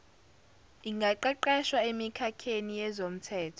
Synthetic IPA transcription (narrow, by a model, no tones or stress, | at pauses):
iŋɡʱaǃɛǃɛʃwaemikʰakʰenijɛzom̩tʰɛːtʰɔ̥